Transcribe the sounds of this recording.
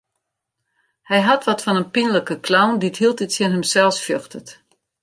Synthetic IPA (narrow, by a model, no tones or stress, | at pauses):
hɛjɦatʋɔtfɔnənpinələkəklawndithilˠt̚dɪtsjənɦəmsɛlˠsfjøxtət